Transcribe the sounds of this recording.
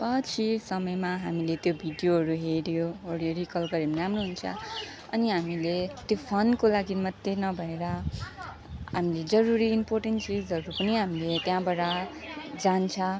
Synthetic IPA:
pʌt͡sʰisʌmʌjmaɦamilet̪jobʱiɖjoɦʌɾuɦeɾjoɦoɽeɾikʌlɡʌɾimiɾamnoɦunt͡sʰʌ̰ | ʌniɦamilet̪jopʰʌnkolaɡimʌt̪ːenʌbʱʌeɾʌ | ɦamiled͡zʌɾuɾiːmporʈenʈt͡sid͡zɦʌɾupʌniɦamilet̪jãbaɽa | d͡zant͡sʰʌ

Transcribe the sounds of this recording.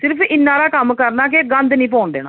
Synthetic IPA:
sɪɾpʰɪnːãːɾaːkɐmːkəɾnaːk̬eɡɐ̃nd̪nĩːp̬oːɳd̪ḛːnə̰̃ː

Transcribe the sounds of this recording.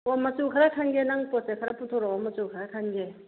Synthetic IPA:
wɔmat͡sukʰaɾakʰanɡenaŋpɔsekʰaɾaput̪ʰoɾɔɔmːat͡sukʰaɾakʰanɡe

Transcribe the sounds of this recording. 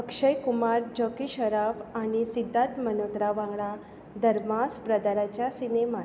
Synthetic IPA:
əkʂəjkumaɾd͡ʑɔkiɕəɾafaɽ̃isid̪ʱːãt̪mənot̪ɾaʋãŋɡɭa | d̪əɾmaspɾəd̪aɾat͡ɕjasinema

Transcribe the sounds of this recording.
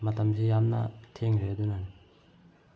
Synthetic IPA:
mɐtɐmsʰijamnɐ̰tʰeŋɾedunani

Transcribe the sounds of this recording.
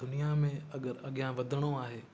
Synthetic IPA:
d̪ʊnijamẽɐɠəɾɐɠijãʋɐd̪ʱəɽ̃oaːɦeː

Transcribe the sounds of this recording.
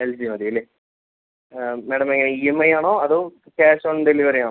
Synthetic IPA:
eld͡ʑimɐðiɐlːe | meːɽɐmeŋːɐneiemːɐjaːɳoːɐðoːkaːsoːɳɖeliʋɐɾijaːɳo

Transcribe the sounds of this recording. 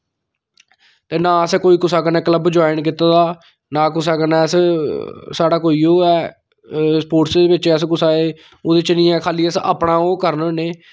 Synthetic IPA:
t̪eːnãːəsɛ̃ːkoːiːkʊsaːkənɛ̃ːkləbd͡ʒaːɪnkɪt̪aːd̪aː | naːkʊsaːkənɛːs | saːɽaːkoːiːoːɛː | spoːʈsd̪eːbɪt͡ʃəskʊsaːeː | oːd̪eːt͡ʃnĩːɛːkʰaːliːəsa̰ːpɳãːoːkəɾnneː

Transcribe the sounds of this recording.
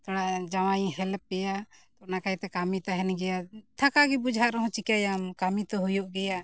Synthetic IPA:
t̪ɔɽad͡ʒaw̃ajĩhɛlp̚ɛjat̪ɔnakajt̪ɛkamit̪aɦɛnɡɛjat̪ʰakaɡibud͡ʒʱaʔɾɔɦɔ̃t͡ʃikajamkamit̪ɔɦujɔʔɡɛja

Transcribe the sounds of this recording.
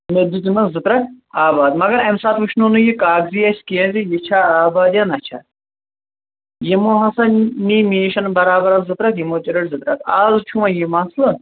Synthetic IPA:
med̪ut̪inɐzɨt̪ɾɐkaːbaːd̪mɐɡɐɾɐmsaːt̪ʋuʃnuːnujikaːkziːɐskijɐ̃nzijit͡ʃʰaːaːbaːd̪jaːnɐt͡ʃʰa̰ː | jimoːɦɐsɐniːmiːʃɐnbɐɾaːbɐɾɐzɨt̪ɾɐkʰjimoːt͡ʃiɾɐʈzɨt̪ɾɐk̪ʰaːzt͡ʃʰuʋɐ̃jimaslɐ

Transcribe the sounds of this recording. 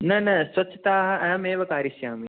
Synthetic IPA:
nɐnɐsʋɐt͡ʃʰːɐt̪aːɦɐɛːmeːʋɐkaːɾiʃjaːmi

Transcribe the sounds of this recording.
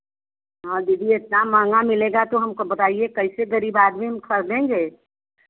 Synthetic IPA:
ɦãːd̪ɪɖiɪt̪namãːŋɡamɪleːɡat̪oɦɐmkobɐt̪aːiekɐɪseɡɐɾiːbaːd̪miɦɐmkʰɐɾd̪ẽːŋɡeː

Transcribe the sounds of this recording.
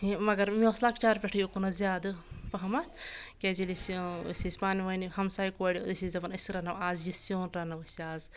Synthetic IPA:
imɐɡɐɾmioslaːkt͡ʃaːɾpʲɛʈʰijokunɐzʲjaːd̪ɨpɐɦɐmɐt̪ʰkezilissʲisʲpaːniʋɐnihɐmsaːjkoɽid̪isizʲd̪ɐbɐnɐsɾɐnɐʋaːzjisjoːnɾɐnɐʋɐsaːz

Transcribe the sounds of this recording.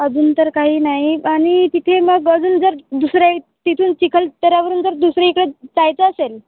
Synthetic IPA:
əd͡zuːnt̪əɾkaɦiːnaɦiaɽ̃it̪it̪ʰeməɡəd͡zuːnd͡zəɾd̪usɾja | t̪it̪ʰuːnt͡ɕikʰəlt̪əɾjaʋəɾuːnd͡zəɾd̪usɾeikɽet͡sajt͡səːsel

